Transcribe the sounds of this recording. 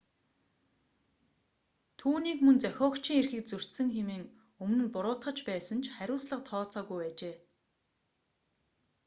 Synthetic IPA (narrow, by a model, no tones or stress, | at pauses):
t̪ʰuːniːkmɵnt͡sœxʲɔːkt͡ɕiːŋerxɘ̆k̚t͡sɵr̥ʲt̪sɘ̆ŋxemiːŋ | ɵmɵ̆npʊɾʊːt̪χə̆t͡ɕpæːsə̆nt͡ɕʰχæɾʲʊːsɮə̆q̚t̪ʰɔːt͡sɔːɣujpæːt͡ɕeː